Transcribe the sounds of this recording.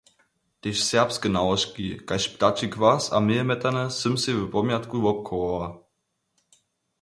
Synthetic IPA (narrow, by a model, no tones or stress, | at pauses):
t̪eʃsɛʁpskənawɔʃkikaɕpt̪at͡ʃikvasa̰mɪɛmɛt̪anəsɘmsevɛpɔmjat̪kuvɔp̚kʰɔa